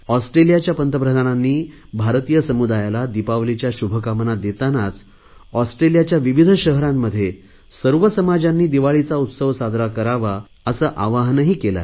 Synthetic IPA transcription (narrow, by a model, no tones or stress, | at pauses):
ɔsʈɾelijat͡ɕjapənt̪əpɾəd̪ʱananːiː | bʱaɾt̪ijəsəmud̪ajalad̪ipaʋlit͡ɕjaɕubʱəkamənad̪et̪anat͡s | ɔsʈɾelijat͡ɕjaʋiʋid̪ʱəɕəɦəɾamːəd̪ʱːje | səɾʋəsəmad͡ʑanːiːd̪iʋaɭit͡saut̪səʋsad̪ʱɾakəɾaʋa | əsəːʔaʋaɦnəɦiːkela̰